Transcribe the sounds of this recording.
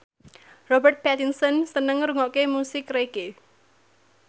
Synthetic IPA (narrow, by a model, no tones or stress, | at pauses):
rɔbərt̪̚pɛt̪insənsənəŋɾuŋɔʔkemusɪkreke